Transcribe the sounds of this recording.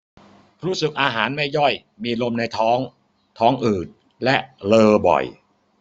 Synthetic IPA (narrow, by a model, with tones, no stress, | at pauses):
ɾuː˦˥sɯ˨˩k̚ʔaː˧ɦaː˩˦nma˥˩jːɔ˥˩j | miː˧lo˧mna˧jt̪ʰɔː˦˥ŋ | t̪ʰɔː˦˥ŋʔɯː˨˩t̪̚ | lɛ˦˥ʔlɤː˧bɔ̰˨˩j